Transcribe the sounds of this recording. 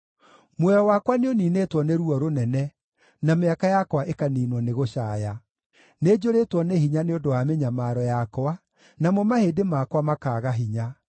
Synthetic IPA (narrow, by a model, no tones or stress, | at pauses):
mwɛɾɔwakwaneoniːnetwɔneɾuɔɾonɛnɛ | nameakajakwaʔekaniːnwɔneɣoɕaːja | ned͡ʑoɾetwɔneɦiɲaneodoameɲamaɾɔjakwa | namomahedemakwamakaːɣaɦiɲa